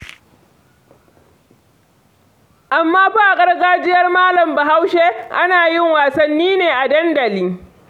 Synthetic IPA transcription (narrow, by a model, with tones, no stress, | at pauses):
ʔa˨mːaː˦ɸaː˦˨kʼɐ˦rɡaː˦d͡ʒɪ˦jɐ˦rmaː˦lɐ˨mba˨ɦa˦wʃe˦ʔa˦naː˨jɪ˦ŋwaː˨sɐ˦nːiː˦neː˨ʔa˨dɐ˦ndɐ˨liː˦